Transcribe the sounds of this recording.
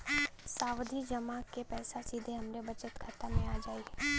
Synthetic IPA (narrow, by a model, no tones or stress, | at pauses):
saːwd̪ʱid͡ʒəmakepɛːsasiːd̪ʱeɦɐmɾebət͡ʃət̪kʰət̪amẽaːd͡ʒaːi